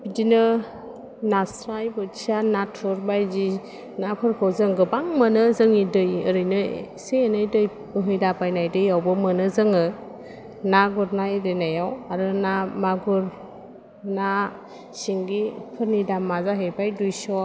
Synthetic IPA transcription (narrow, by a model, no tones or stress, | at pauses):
b̥idinɯ | nasɾajbɯt͡ʃʰianatʰɔɾbajzi | napʰɯɾkʰɯwzɯŋɡɯbaŋmənɯzɯŋidɯjɯɾɯjnɯ | seenajdɯj | bɯɦɯjdabajnajdɯjawbɯmɯnɯzɯŋɯ | naɡuɾnajɾenajawaɾɯnamaɡuɾ | na | siŋɡipʰɯɾnidamːazaɦebajdujsɔ